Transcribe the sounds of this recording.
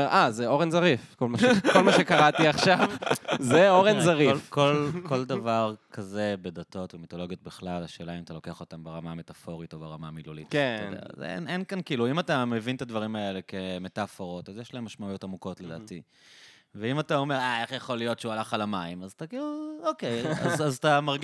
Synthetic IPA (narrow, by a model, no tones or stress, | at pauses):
eʁazeo̞ʁenzaʁifkolmaʃkolmaʃekaʁat̪iaχʃavzeoʁenzaʁilfkolko̞ldavaʁkʰaze̞be̞dato̞tvemitolo̞ɡjo̞t̚biχlalaʃe̞ːlaimat̪alo̞ke̞aχo̞tambeʁamame̞tafo̞ʁito̞beʁamamilulḭtkedḛa̰z̰ḛnenkankiːluimatamevint̪advaʁimae̞le̞ke̞me̞tafo̞ʁotazjeʃlaemːaʃmaujo̞tamuko̞tled̪a̰ːti | veimatao̞me̞ʁae̞χjeχo̞lijo̞tʃeualaχalamaimazat̪akiːluokeja̰azat̪amaʁɡ